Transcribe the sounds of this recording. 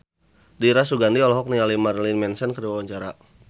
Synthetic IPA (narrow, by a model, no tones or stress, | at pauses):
diɾas̬uɡandiɔlɔɦɔk̚nialimarlinmɛnsɛnkəriwawaɲt͡ʃaɾa